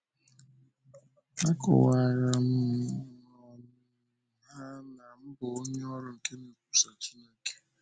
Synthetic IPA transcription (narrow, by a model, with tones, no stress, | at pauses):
a˦kɔ̰˨wa˨ɾa˨m̩˦n | ɔ˨n˦ | a˦na˨m̩˦bo˨o˦ɲe˦ɔ˦ɾʊ˦ŋ̩˨ke˦ne˨ku̥˨sa˨t͡ʃi˦ne˦ke̥˦